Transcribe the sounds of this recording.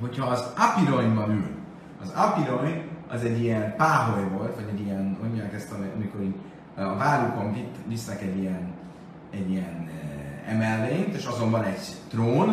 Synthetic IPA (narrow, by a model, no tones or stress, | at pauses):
ɦocʰhɒːzɒpiɾojmbɒnyl | ɒzɒpiɾojɒzɛɟːiɛnpaːɦojvo̞lt̪vɒɟɛɟijɛnoɲːɒnkɛst̪ɛlɛɒ̰miko̞ɾi | ɒvaːɾuko̞ɱvivisnɛkɛɟːijɛn | ɛɟːijɛnɛ̰mɛlːeːnt̪eːʃɒzo̞mbɒnɛɟt̪roːn